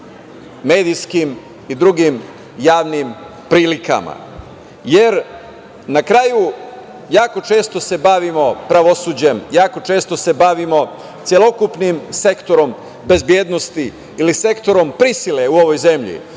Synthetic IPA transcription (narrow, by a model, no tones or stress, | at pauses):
me̞ːd̪ijskim | id̪ɾuɡim | jaːʋnim | pɾiːlika̰ma̰ | jeɾ | nakɾaju | jaːko̞t͡ʃe̞ːst̪o̞se̞baʋimo̞pɾaʋo̞suːd͡ʑe̞mjaːko̞t͡ʃe̞ːst̪o̞se̞baʋimo̞ | t̪sjelo̞kupnimse̞kt̪o̞ɾo̞m | be̞zbjeːd̪no̞st̪i | ilise̞kt̪o̞ɾo̞mpɾisileuo̞ʋojze̞mʎḭ